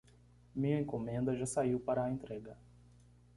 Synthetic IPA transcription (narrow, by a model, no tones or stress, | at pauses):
mĩɲɐẽŋkomẽnd̪ɐʒasaiwpaɾɐːẽnt̪ɾɛɡɐ